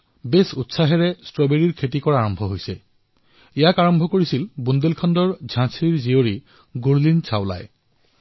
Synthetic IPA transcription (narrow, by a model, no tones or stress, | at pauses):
besutsaɦɛɹɛstɹɔbeɹiɹkʰetikɔɹaːɹɔmbʱɔɦojsɛ̰ | ijakaɹɔmbʱɔkoɹisilbundelkʰɔndɔɹd͡ʑʱãsʰɹiɹzioɹi | ɡuɹlinsʰawla̰j